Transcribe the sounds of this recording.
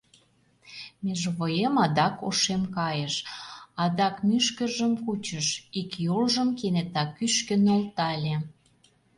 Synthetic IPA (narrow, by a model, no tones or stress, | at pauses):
mʲeʒβojemɑd̪ɑko̰ʃemkɑjəʃɑd̪ɑkmyʃkəʒəmkut͡ɕəʃikjolʒəmkenet̪ɑkːyʃkə̆nolt̪ɑlʲe